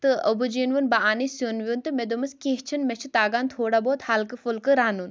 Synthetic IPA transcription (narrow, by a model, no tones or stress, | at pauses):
t̪ɨɐ̰bud͡ʒiːnʋunbaaːnisjoːnʋʲjunt̪ɨmed̪umɨskẽːɦt͡ʃʰinmet͡ʃʰit̪aːɡaːnt̪ʰoːɽaːboːt̪haːlkɨfulkɨɾaːnun